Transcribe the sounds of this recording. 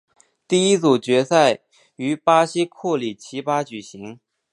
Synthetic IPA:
t̪i˥˩i˥t͡su˨˩t͡ɕɥɛ˧˥sa˥˩ɪ | y˧˥pa˥ɕi˥kʰu˥˩li˨˩t͡ɕʰi˧˥pa˥t͡ɕy˨˩ɕi˧˥ŋ

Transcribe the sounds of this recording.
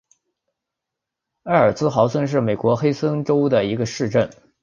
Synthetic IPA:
a˥˩ə˞˨˩t͡sɹ̩˥xɑ˧˥ʊswə˥nʂ̬ɻ̩˥˩me˨˩ɪkwɔ˧˥xe˥ɪswə˥nʈ͡ʂo˥ʊd̪ə˨i˧˥ɡə˧ʂɻ̩˥˧ʈ͡ʂə˥˩n

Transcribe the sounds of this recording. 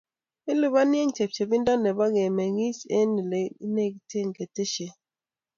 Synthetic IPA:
i˦li˨ba˦nje˦ŋt͡ʃe˨p̚t͡ʃe˨bi˦nda˦nɛ˨ba˦ɡe˨mɛ˨ŋi˦se˦ni˨le˨i˦ne˦˨ki˨tje˦˨ŋ˨ke˨te˦ʃe˨

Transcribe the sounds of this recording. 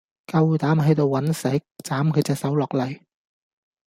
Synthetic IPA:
kɐ˧wt̪aː˨˥mɦɐ˨˥jt̪o˨˧wːɐ˨˥nsɐ˨˥jt͡saː˨˥mkʰɵ˨˧jt͡sɛː˨˧k̚sɐ˨˥wlɔː˨˩k̚lɐ˨˩j

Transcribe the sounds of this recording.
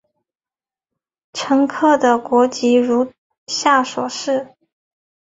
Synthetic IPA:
ʈ͡ʂʰɤ˧˥ŋkʰɤ˥˩d̪ə˩kwɔ˧˥t͡ɕi˧˥ɻu˧˥ | ɕja˥˩ʂwɔ̰˨˩ʂɻ̩˥˩

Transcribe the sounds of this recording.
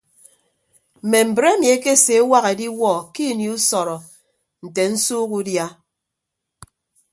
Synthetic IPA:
m̩˨me˨m̩˨bɾe˦mi˨e˦ke˦˨se˨˦wa˦ɣe˨di˦wɔ˦˨ki˦˨ni˨u˦sɔ˨ɾɔ˨ | n̩˨te˨n̩˦suː˦ku˦dja˦

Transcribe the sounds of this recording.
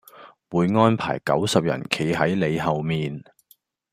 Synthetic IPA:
wuː˨˧jŋɔː˥npʰa̰ː˨˩jkɐ̰˨˥wsɐ˨p̚jɐ̰˨˩nkʰe˨˩jɦɐ˨˥jle˨˧jɦɐ˨wmiː˨n

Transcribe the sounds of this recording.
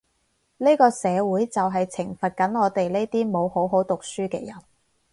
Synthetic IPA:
ne˥jkɔː˧sɛː˨˧wuː˨˥jt͡sɐ˨wɦɐ˨jt͡sʰɪ˨˩ŋfɐ˨t̚kɐ˨˥nŋɔː˨˧t̪e˨jle˥jt̪iː˥mo˨˧who˨˥wɦo˨˥wt̪ʊ˨k̚syː˥kɛː˧jɐ˨˩n

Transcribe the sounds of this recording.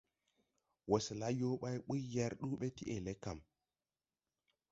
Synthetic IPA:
wo˨sla˦jo˦ɓa˦jɓu˦jːa˦ɾɗu˦ɓe˦ti˦ʔe˨le˦ka˨m

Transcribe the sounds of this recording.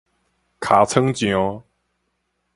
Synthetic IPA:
kʰa˨˦t͡sʰə˥ŋt͡ɕjɔ˨˦

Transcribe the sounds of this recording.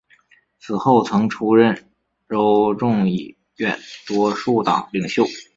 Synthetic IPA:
t͡sʰɹ̩˨˩xo˥˩ʊt͡sʰɤ˧˥ŋʈ͡ʂʰu˥ɻə˥˩n | ɻo˧˥ʊʈ͡ʂʊ˥˩ŋi˨˩ | ɥɛ˥˩nt̪wɔ˥ʂu˥˩t̪ɑ̰˨˩ʊli˨˩ŋɕjo˥˩ʊ

